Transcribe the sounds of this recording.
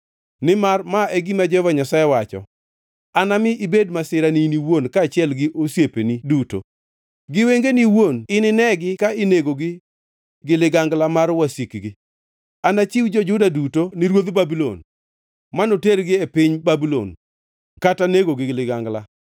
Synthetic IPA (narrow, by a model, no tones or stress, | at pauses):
nɪmarmaɛɡimad͡ʒɛvaɲasajewat͡ʃɔ̰ | anamɪʔibedmasɪɾaniniwonkaːt͡ʃɪɛlɡɪʔosjepeniduto̰ | ɡɪweŋɡeniwonɪnɪnɛɡɪkaɪneɡoɡɪ | ɡɪlɪɡaŋɡlamarwasikɡɪ | anat͡ʃiwd͡ʒɔd͡ʒʊdadutonɪɾwod̪babilo̰n | manoteɾɡɪepɪɲbabilo̰n | kataneɡoɡɪlɪɡaŋɡla